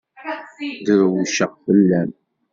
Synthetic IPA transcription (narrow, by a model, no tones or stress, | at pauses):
d̪ɾwuʃəʁfəlːæm